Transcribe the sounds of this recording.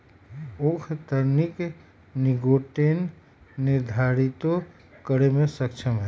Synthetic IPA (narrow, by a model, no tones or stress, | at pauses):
okʰt̪əɾnik | niɡoʈenː | iɾd̪ʱaɾit̪o | kəɾemẽsəkt͡ʃʰəmɦɛ